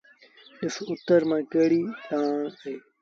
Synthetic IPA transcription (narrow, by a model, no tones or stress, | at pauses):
ɗɪsʊt̪ːəɾmãːkəːɽiːɗ̪ãːɽɦeː